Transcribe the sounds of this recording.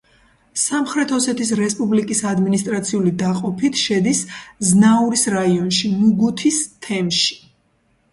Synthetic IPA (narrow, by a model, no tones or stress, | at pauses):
samχɾɛt̪ʰhɔsɛt̪ʰisɾɛspʼublikʼisad̪minist̪ʼɾat̪sʰiulid̪aqʼɔpʰit̪ʰʃɛd̪isznauɾisɾaiɔnʃimuɡut̪ʰist̪ʰɛmʃi̥